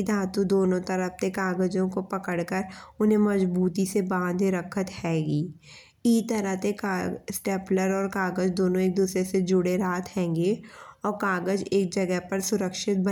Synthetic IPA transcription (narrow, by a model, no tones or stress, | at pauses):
d̪ʱaːt̪ud̪oːnõt̪əɾəp̚t̪ekaːɡəd͡ʒõkopɐkəɽkəɾʊnẽmɐd͡ʒbuːt̪isebãːnd̪ʱɾəkʰət̪hɛːɡiː | it̪əɾəɦt̪ekasʈeːpləɾɔːɾkaːɡəd͡ʒd̪oːnõeːk̚d̪uːsɾesed͡ʒʊɽeɾaːt̪ʰhɛ̃ːŋɡeɔːɾkaːɡəd͡ʒeːk̚d͡ʒɐɡəɦpɐɾsʊɾəkʃɪt̪̚bə